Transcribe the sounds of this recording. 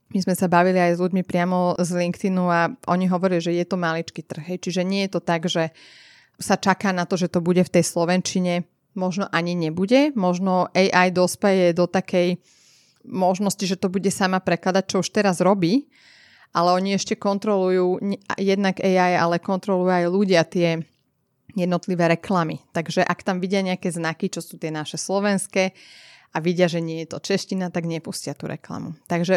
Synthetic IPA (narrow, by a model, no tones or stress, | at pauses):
mizmɛsabaʋiliajzluɟmipɾɪamɔzliŋkt̪inuaʔɔɲiɦɔʋɔɾiliʒɛjɛt̪ɔmalit͡ʃkit̪r̩xɦɛjt͡ʃiʒɛɲɪɛjɛt̪ɔt̪aɡʒɛ | sat͡ʃakaːnat̪ɔʒɛt̪ɔbuɟɛft̪ɛjslɔʋɛnt͡ʃiɲɛ | mɔʒnɔʔaɲiɲɛbuɟɛmɔʒnɔʔɛjʔajd̪ɔspɛjɛd̪ɔt̪akɛj | mɔʒnɔsciʒɛt̪ɔbuɟɛsamapɾɛklad̪ac̚t͡ʃɔuʃt̪ɛɾazɾɔbiː | ʔalɛɔɲiɛʃcɛkɔnt̪ɾɔlujuːɲa̰jɛd̪naɡɛjaja̰lɛkɔnt̪ɾɔlujajluɟɪat̪ɪɛ | jɛd̪nɔt̪liʋɛːɾɛklamit̪aɡʒɛʔakt̪amʋiɟɪaɲɛakɛznakit͡ʃɔsuːt̪ɪɛnaʃɛslɔʋɛnskɛː | aʋiɟɪaʒɛɲɪɛjɛt̪ɔt͡ʃɛʃcinat̪aɡɲɛpuscɪat̪ṵɾʔɛ̰kla̰mṵt̪aɡʒɛ